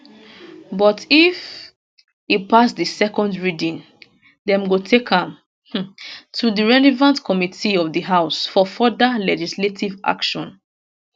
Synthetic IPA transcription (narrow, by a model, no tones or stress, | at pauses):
bɔtif | ipasdisɛkɔ̃ndɹidĩn | dɛ̃mɡotʰekʰãm̩ | tʰudiɹɛlɛvãntkʰɔmitʰiɔvdiɦaʊsfɔfɔdalɛd͡ʒisletʰivʔa̰kʃɔ̃n